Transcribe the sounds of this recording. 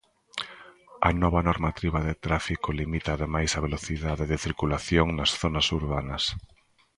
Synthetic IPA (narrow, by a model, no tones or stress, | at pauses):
ɐ̰nɔβɐnɔɾmat̪ɾiβɐðɪt̪ɾafikʊlimit̪aːðemajsɐβ̞eloθiðaðeðɪθiɾkulaθjoŋnɐsθonɐsuɾβanɐs